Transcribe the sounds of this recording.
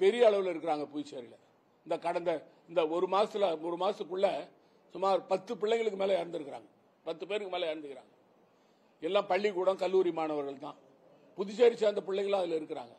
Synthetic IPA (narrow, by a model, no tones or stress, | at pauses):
pɛɾɪjɐːɭɐʋɯlɪɾɯkːɯɾaːŋɡɐpʊðɪseːɾɪlɐ | ɪnd̪ɐkɐɽɐnd̪ɐɪnd̪ɐɔɾɯmaːsɐlaɔɾɯmaːsɯkːʊɭːɐ | sʊmaːɾpɐt̪ːɯpɪɭːɛɪŋɡɐɭɯk̬ːɯmeːlɐɛɾɐnd̪ɯɾɯkːɾa̰ːŋɡɐ | pɐt̪ːɯpeːɾɯkːɯmeːlɐɛɾɐnd̪ɯɣɪɾa̰ːŋɡɐ | ɛlːãːpɐɭːikuːɽɐ̃kɐlːuːɾimaːɳɐʋɐɾɣɐɭt̪ãː | pʊðɪt͡ʃeːɾɪt͡ʃːaːɪnd̪ɐpɪɭːɛŋɡɐɭãːɐðɪlɪɾɯk̬ːɯɾa̰ːŋɡɐ